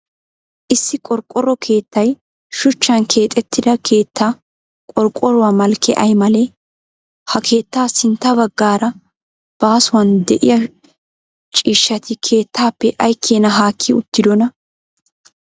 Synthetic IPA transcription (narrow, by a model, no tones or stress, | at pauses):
ʔɪsːɪkʼɔɾkʼːɔrːɔkʰe̞ːt̪ːɐj | ʃʊt͡ʃːɐnkʰe̞ːt̪ʼɛt̪ʰːɪd̪ɐkʰe̞ːt̪ːaː | kʼɔɾkʼːɔɾʊwaːmɐlkːɛ̰ʔɐjmɐle | hɐkʰe̞ːt̪ːaːsɪnt̪ːɐbɐɡːaːɾɐ | b̥aːsʊwɐnd̪ɛʔɪjɐ | t͡ʃʼiːʃːɐt̪ɪkʰe̞ːt̪ːaːpːɛʔɐjkʰːeːnɐɦaːkʰːɪʊt̪ːɪd̪ɔnɐ